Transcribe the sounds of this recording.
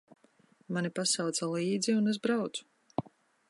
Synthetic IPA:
manipasawt̪salˠiːd̪ziunez̬bɾawt̪su̥

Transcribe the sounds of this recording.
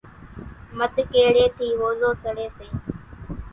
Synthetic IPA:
məd̪ʱkeːɽeːt̪ʰiːʋoːzoːsəɽeːsẽː

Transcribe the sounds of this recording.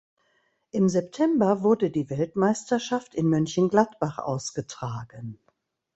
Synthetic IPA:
ʔɪmzɛptʰɛmbɐvʊɐdədiːvɛltmaɪstɐʃaftɪnmʏnçənɡlatb̥aχʔa̰ʊsɡ̥ətʁ̥aːɡən

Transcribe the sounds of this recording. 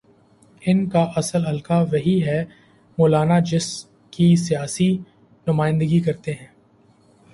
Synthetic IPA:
ɪnkaʔɐsəlɦɐlkaʋɐɦiɦɛ | moːlaːnad͡ʒɪs | kisijaːsi | nʊmaːɪ̃nd̪əɡikɐɾt̪eɦɛ̃ː

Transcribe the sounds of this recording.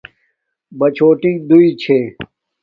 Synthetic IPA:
bɐt͡ɕʰoːʈĩŋɡ̚d̪uit͡ɕʰeː

